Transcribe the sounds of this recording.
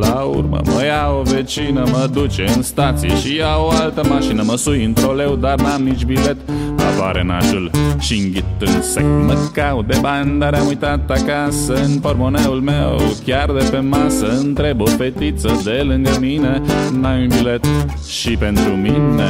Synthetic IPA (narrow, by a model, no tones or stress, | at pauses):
laṵrmə̰mə̰jaovet͡ʃinəməd̪ut͡ʃeɨnst̪at̪sijḛʃiawoalt̪əmaʃinəməsujɨnt̪ɾole̞wd̪arnamnit͡ʃbile̞t̪a̰paɾena̰ʃulʃiɨŋɡʲit̪ɨnsḛkməkawd̪ebannd̪aɾeamujt̪at̪akasəɨnpo̞rmo̞neulmewkʲard̪epe̞masəɨnt̪ɾe̞bofe̞t̪it̪səd̪e̞lɨŋɡəmine̞najunbilet̪ | ʃipe̞nt̪ɾumine